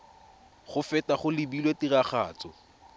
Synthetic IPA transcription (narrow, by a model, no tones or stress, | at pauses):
χʊfɛtaχʊlɪbilwetiraχa̰ːt͡sɔ